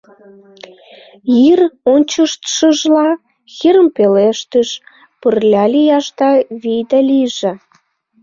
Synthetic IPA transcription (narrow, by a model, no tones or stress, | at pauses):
jironʲt͡ɕəʃt̪ʃəʒlɑ | xiɾəmpeleʃt̪əʃ | pərlʲɑlʲijɑʃt̪ɑβijd̪ɑlʲiʒe